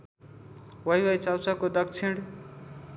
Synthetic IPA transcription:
wʌjwʌjt͡sawsakod̪ʌkt͡sʰiɳɽ

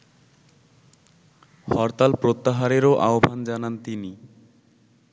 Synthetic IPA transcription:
hɔɾt̪alpɾot̪ːaɦaɾeɾoʔaobʱand͡ʑanant̪ini

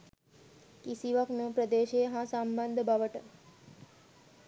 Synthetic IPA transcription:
kisiʋəknũpɾəd̪eʃeɦãsambənd̪ʱbʱaʋəʈə

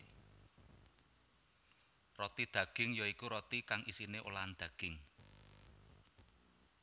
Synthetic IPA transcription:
rɔt̪id̪̥ä̤ɡ̥ɪ̤ŋjɔikuɾɔt̪ikaŋisineʔo̰land̪̥ä̤ɡ̥ɪŋ

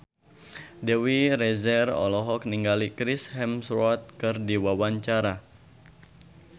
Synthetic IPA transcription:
dɛwiɾɛzɛrɔ̰lɔɦɔk̚niŋɡalikɾɪshɛmsɾɔt̪̚kɨrdiwawaɲt͡ʃaɾa

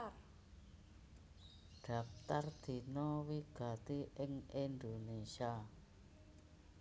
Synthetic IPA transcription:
ɖ̥a̤p̚t̪ard̪̥i̤nɔwiɡ̥a̤t̪iʔɪŋind̪onesia

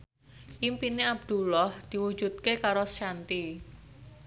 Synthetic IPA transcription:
ʔimpineab̚d̪̥ulɔhd̪̥i̤wu̥d͡ʒ̥ṳt̪̚kekaɾosʃant̪i

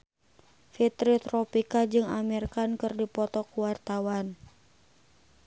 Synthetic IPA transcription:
fit̪ɾit̪ɾɔpikad͡ʒɨŋamɛrkankɨrdipɔt̪ɔkuwart̪awan

